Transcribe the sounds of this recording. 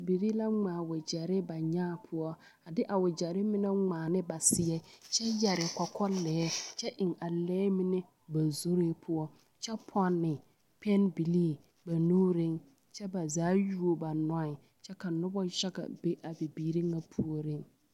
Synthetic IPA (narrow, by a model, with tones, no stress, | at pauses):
bbiː˨ɾi˦la˦ŋaː˨wɪ˨d͡ʒa˨ɾɪ˦ba˨ɲaː˦˨pʰʊ˦ɔ˦ | a˨dɪ˦ʔa˨wɪ˨d͡ʒa˨ɾɪ˦mɪ˦nɛ˦ŋaː˨nɪ˦ba˨sɪ˦ɛ˦t͡ʃɛ˦jɛ˨ɾɪ˨kɔ˨kʰɔ˦lɛː˨ɛ˦t͡ʃɛ˦ʔɪ˨ŋa˨lɛː˦mɪ˦nɛ˦ | ba˨zo˦ɾe˦pʰʊ˦ɔ˦ | t͡ʃɛ˦pʰɔ˦nːɪ˨ | pʰɛ˦nbi˨liː˦ | ba˨nuː˦ɾɪ˦ŋ | t͡ʃɛ˦ba˨zaː˨˦ju˦o˨ba˨nɔ˦ɪ˨ | t͡ʃɛ˦ka˨nʊ˦bɔ˦ʃa˦ɡa̰˨be˦ʔa˨bi˨biː˨ɾi˦ŋa˦pʰu˦o˦ɾɪ˦ŋ